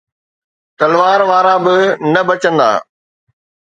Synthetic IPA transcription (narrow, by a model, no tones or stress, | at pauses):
t̪ɐlʋaːɾʋaːɾabɪnɐbɐt͡ɕə̃nd̪a̰ː